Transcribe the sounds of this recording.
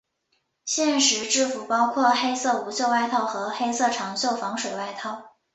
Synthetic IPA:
ɕjɛ˥˩nʂɻ̩˧˥ʈ͡ʂɻ̩˥˩fu˨˩pɑ˥ʊkʰwɔ˥˩xe˥ɪsɤ˥˩u˧˥ɕjo˥˧wa˥˧ɪt̪ʰɑ˥˩ʊxɤ˧˥xe˥ɪsɤ˥˩ʈ͡ʂʰɑ˧˥ŋɕjo˥˩ʊfɑ˧˥ŋʂwe˨˩ɪwa˥˧ɪt̪ʰɑ˥˩ʊ

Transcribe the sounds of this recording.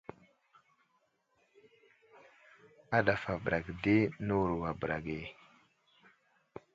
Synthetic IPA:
a˦ɗa˨fa˨bɾʔa˨ɡdi˦nə˦wu˨ɾwa˨bɾa˨ɡe˨

